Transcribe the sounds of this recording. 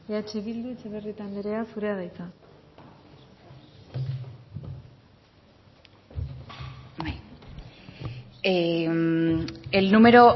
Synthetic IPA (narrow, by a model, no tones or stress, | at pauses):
eat͡ʃeβild̪uit͡seβerit̪and̪eɾe̞asuɾe̞aðajt͡sa | baj | elnume̞ɾo̞